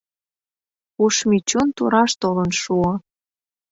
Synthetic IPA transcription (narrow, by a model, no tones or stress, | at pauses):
uʃmit͡ɕunt̪uɾɑʃt̪olənʃuɤ